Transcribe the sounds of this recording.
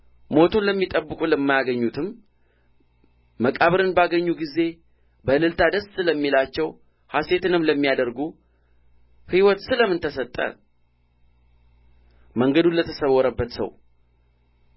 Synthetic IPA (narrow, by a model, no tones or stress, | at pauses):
mo̞t̪ʰunləmːit̪ʼəbːɨkʼuləmːajaɡəɲːut̪ʰɨm | məkʼaβɨɾɨnbaɡəɲːuɡize̞ | bəlɨlt̪ʰad̪əssɨləmːilat͡ʃːɛw | hase̞t̪ɨnɨmləmːijad̪əɾɡu | hiwɔt̪sɨləmɨnt̪ʰəsət̪ʼːə̰ | məŋɡəd̪unlət̪ʰəsəwːɔɾəbːət̪sə̰w